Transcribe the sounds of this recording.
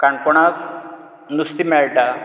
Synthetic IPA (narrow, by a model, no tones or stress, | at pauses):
kaɳpɔɳ̃ak | nust̪imɛɭʈa